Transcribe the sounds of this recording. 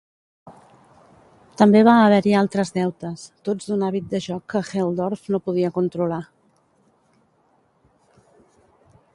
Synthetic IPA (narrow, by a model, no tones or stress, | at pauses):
t̪əmbeβ̞aəβ̞ɛɾialˠt̪ɾəzðɛwt̪əst̪od͡zd̪unaβit̪̚d̪əʒɔkːəxɛlˠd̪ɔɾfnopuð̞iəkunt̪ɾula